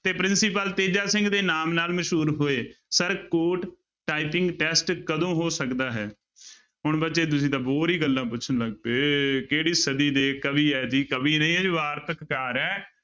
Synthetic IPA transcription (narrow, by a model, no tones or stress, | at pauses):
t̪eːpɾɪnsipəlt̪eːd͡ʒaːsɪ̃ŋɡd̪eːnaːmnaːlməʃɦuːɾɦoːeːsəɾkoːʈ | ʈːaːipɪ̃ŋɡʈɛːsʈkəd̪õːɦoːsəkd̪aːɦɛː | ɦʊɳbətːʃeːt̪̬ʊsĩːt̪ãːboːɾiːɡəlːãːpʊt͡ʃʰənləɡpeːkeːɽiːsəd̪iːd̪eːkəbiːɛːd͡ʒiːkəbiːnəĩːɛːd͡ʒʋaːɾt̪əkːaːɾɛː